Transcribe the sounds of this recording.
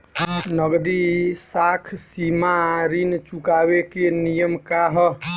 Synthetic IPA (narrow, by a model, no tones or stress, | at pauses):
nəɡd̪isakʰsimaɾint͡ʃukabekenijəmkaɦ